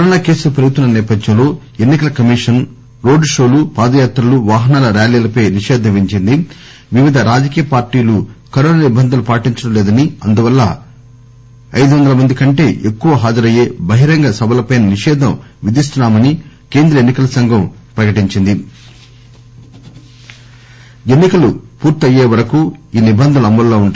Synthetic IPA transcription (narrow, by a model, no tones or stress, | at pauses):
kɐɾɔːnaːke̞ːsulupɾɐjut̪ːunːɐnɛːpɐd̪ʱjɐ̃mloː | enːikɐlɐkɐmiʂɐn | ɾo̞ːɖʂo̞ːlupaːd̪ɐjaːt̪ɾɐluʋaːɦɐnaːlɐɾaːliːlɐpɐjniʂɛːd̪ʱɐmʋiɲt͡ʃind̪i | ʋiʋid̪ʱɐɾaːd͡ʒɐkiːjɐpaːɾʈiːlukɐɾɔːnaːnibːɐnd̪ʱɐlupaːʈiɲt͡ʃɐɽɐmleːd̪ɐniɐnd̪uʋɐlːɐ̰ | ɐjd̪uʋɐnd̪ɐlɐmɐnd̪ikɐɳʈe̞̰ːʔekːuʋɐɦaːd͡ʒɐɾɐje̞ːbɐɦiɾɐŋɡɐsɐbɐlɐpɐjnɐniʂɛːd̪ʱɐmʋid̪is̬t̪unːaːmɐni | ke̞ːnd̪ɾɐenːikɐlɐsɐŋɡʱɐm | pɾɐkɐʈiɲt͡ʃind̪i | enːikɐlupuːɾt̪ɐjːeːʋɐɾɐkuiːnibɐnd̪ʱɐlɐmːɐlːoːuɳʈː